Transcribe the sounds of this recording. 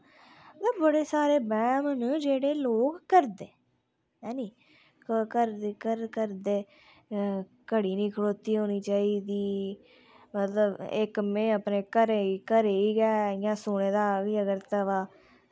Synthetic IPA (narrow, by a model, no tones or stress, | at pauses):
əət̪əbbəɽeːsaːɾeːbɛːmnd͡ʒeːɽeːloːkːəɾd̪eː | ɛːniː | kkəɾkəɾkəɾd̪eː | kəɽiːnĩːkʰəɽoːt̪iːɦoːniːt͡ʃaːiːd̪iː | mət̪ləbɪ̰kmẽːəpneːkəɾeikəɾeːiːɡɛːjãːsʊɽẽːd̪aːɡiːəɡəɾt̪əʋaː